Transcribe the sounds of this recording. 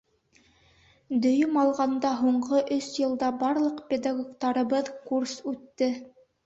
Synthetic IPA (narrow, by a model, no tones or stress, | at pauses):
d̪ɵ̆jɵmɑlˠʁɑnd̪ɑɦuɴɢɤʔɵsjɤ̆lˠd̪ɑbɑɾlˠɤqpʲed̪aɡokt̪ɑɾɤ̆βɤðkursʉt̪ːɘ